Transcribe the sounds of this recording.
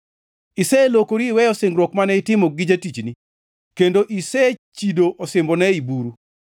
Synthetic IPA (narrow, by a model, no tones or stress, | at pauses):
isɛlokoɾiːwɛjɔsɪŋɡɾwɔkmanɛɪtɪmɔɡɪd͡ʒatit͡ʃni | kendoʔisɛt͡ʃidoʔosɪmbɔnɛibuɾu